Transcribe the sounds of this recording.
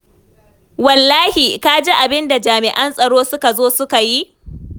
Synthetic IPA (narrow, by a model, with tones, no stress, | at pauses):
wɐ˨lːaː˦hi˨ka˦d͡ʒe˦ʔa˨bɪ˦nda˨d͡ʒaː˨mɪ˨ʔɐ˦nsʼɐ˨ɽoː˦sʊ˦ka˨zoː˦sʊ˦ka˨ji˦